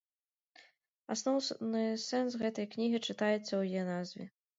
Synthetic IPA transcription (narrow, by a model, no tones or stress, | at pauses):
asnɔwnɨsɛnsɣɛt̪ɐjknʲiɣʲit͡ʂɨt̪ajɛt̪sːɐwjijɛnazvʲɛ̰